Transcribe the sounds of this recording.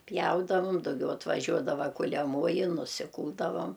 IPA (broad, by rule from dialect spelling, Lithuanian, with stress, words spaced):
ˈpʲjɛʊdɐʋʊm dɐʊˈɡʲɛʊ ɐtʋɐˈʒʲuɔdɐʋɐ kʊlʲɛˈmoːjɪ nʊsʲɪˈkuːlˠdɐʋɐm